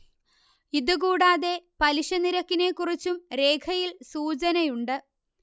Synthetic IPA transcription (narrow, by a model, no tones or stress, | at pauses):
iðɨkuːɽaːðe̞pɐliɕɐniɾɐkːine̞ːkːurit͡ɕːumɾe̞ːkʰɐjilsuːt͡ɕɐnɐjuɳɖɨ